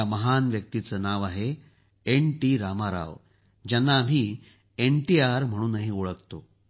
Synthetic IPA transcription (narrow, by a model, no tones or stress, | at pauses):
aməɦanʋjək̚t̪it͡səːnaʋaɦe | enʈiɾamaɾa̰ʋ | d͡ʑanːaːm̤iː | enʈiaɾm̤əɽ̃uːnːaɦĩuɭəkt̪o